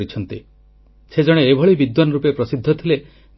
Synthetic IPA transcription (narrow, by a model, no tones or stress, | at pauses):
ɾit͡ʃʰɔnt̪ḭ | sed͡ʒɔɽ̃eːbʱɔɭibid̪wanɾupepɾɔsid̪ʱːɔt̪ʰile